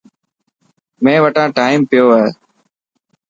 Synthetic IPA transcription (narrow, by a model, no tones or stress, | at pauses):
mẽːʋəʈãːʈaːɪmpɪjoːɦeː